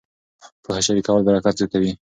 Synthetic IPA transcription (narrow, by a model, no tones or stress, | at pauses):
pəxaʃaɾikawalbaɾakat̪zjat̪awi